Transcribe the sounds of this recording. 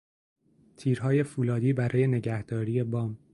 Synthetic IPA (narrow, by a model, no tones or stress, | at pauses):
t̪ʰiːɾɦɒːje̞fuːlɒːd̪iːbæɾʔɒːje̞ne̞ɟæhd̪̥ɒːɾiːje̞bɒːm